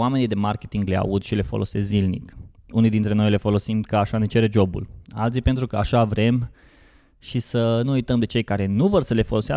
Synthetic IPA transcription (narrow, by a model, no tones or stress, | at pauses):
ame̞nijd̪e̞market̪iŋɡlea̰ud̪ʃile̞fo̞̰lʔo̞̰se̞szilnḭkunijd̪int̪ɾe̞no̞jle̞fo̞lo̞simkəaʃane̞t͡ʃe̞ɾe̞d͡ʒo̞bṵla̰lt̪sijpe̞nt̪ɾukəaʃavɾe̞m | ʃisənuujt̪əmd̪e̞t͡ʃe̞jkaɾe̞nuvo̞rsəle̞fo̞lo̞sea